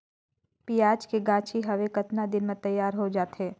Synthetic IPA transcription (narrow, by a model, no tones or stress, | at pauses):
piːaːd͡ʒkeɡãːt͡ʃʰiɦɐʋekɐt̪nad̪ɪnmẽt̪ɐjːaːɾɦod͡ʒaːt̪ɦeː